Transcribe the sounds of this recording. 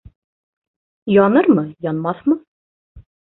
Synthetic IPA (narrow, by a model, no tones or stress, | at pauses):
jɑnəɾməjɑnmɑθmə